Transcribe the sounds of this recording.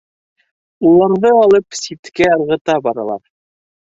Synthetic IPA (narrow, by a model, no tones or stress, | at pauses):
ulˠɑɾðɤɑlˠɤpsit̪kæɤɾʁɤ̆t̪ɑbɑɾɑ̰lˠɑ̰ɾ